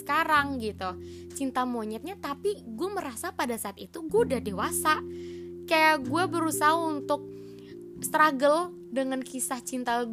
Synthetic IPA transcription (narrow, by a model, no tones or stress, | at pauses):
ə̥kaɾaŋɡit̪u | t͡ʃint̪amoɲɛt̪̚ɲat̪apiɡuaməɾasapadasaːt̪it̪uɡuadadewasaʔkajaɡuabəɾusaɦaunt̪ʊk̚ | st̪ɾaɡəl | dəŋankisaht͡ʃint̪aɡ